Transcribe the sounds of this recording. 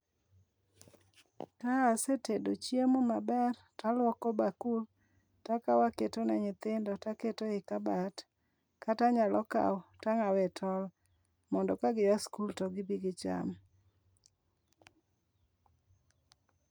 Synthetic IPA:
kaːsetedot͡ʃjemomabɛr | talwɔkɔbakul | takawaketonɛɲɪt̪ɪndɔtaketoɪkabat | kataɲalʔɔka̰wtaŋawɛtʰɔl | mɔndɔkaɡɪwaskultɔɡɪbiɡɪt͡ʃa̰m

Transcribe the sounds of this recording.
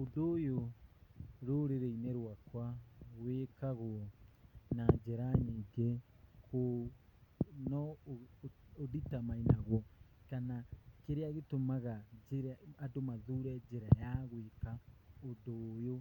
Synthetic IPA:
odoːjo | ɾoɾeɾeineɾwakwaɣwekaɣo | nad͡ʒɛɾaɲiɡe | ko | nɔ | oðitamainaɣwɔkanakeɾeaɣetomaɣad͡ʒeɾadomaðuɾɛd͡ʒeɾajaɣwekaodojo

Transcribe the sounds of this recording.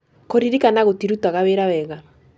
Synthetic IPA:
koɾiɾikanaɣotiɾutwaɣaweɾawɛɣaɾ

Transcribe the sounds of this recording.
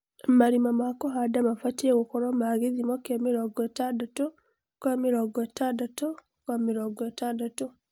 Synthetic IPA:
maɾimamakɔɦadamafatieɣokoɾɔmaɣiðimokamiɾɔɡatadato | kwamiɾɔɡatadato | kwamiɾɔɡɔtandato

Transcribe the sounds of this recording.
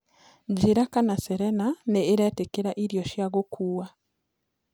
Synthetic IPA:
ɟiɾakanaseɾenaneiɾetekeɾaʔiɾjoʃjaɡokʰuːwa

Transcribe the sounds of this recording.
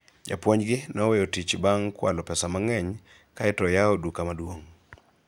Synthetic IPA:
d͡ʒa̰pwoɲɡɪnɔwejotit͡ʃbaŋkwa̰lɔpɛsamaŋɛɲ | kaɛtɔjaodukamadwoŋ

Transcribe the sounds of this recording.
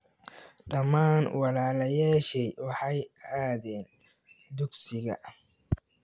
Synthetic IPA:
ɖɐmaːnwɑlaːlɐjaːʃɛjwɑħɑjaːðɛːn | d̪ʊɡsɪɣɐ̰

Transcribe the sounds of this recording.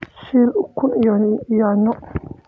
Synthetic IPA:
ʃilukunjanɔ

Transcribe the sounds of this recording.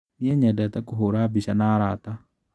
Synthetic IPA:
mɪjɐɲɐd̪ɐt̪ɐkʊɦoɾaːbɪʃɐnaːɾaːt̪a

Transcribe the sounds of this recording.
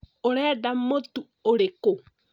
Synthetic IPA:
oɾɛːdamotu | oɾeko

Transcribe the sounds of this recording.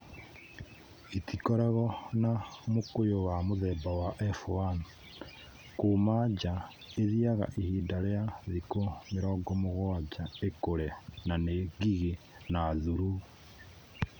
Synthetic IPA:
itikoɾaɣonamukujowamuzebawaʔefuan | kumaɟa | eziaɣa̰ʔihiːdaleazikomiɾoɡomuɣoɟaekoɾenaneɡiɣe | nazuɾuɣu

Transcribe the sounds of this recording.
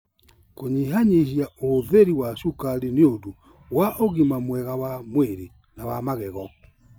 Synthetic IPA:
koɲiɦaɲeʃjaoðeɾiwaʃukaɾeneodo | waʔoɣimamwɛɣawamweɾe | nawamaɣɛɣɔ

